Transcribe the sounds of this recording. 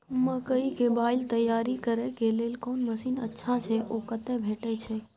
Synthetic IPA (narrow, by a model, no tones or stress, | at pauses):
məkəikebaːɪlt̪əjːaːɾikəɾɛkeleːlkoːnməsiːnə̰tːʃʰat͡ʃʰɛʔokət̪ɛbʱeːʈɛt͡ʃʰɛ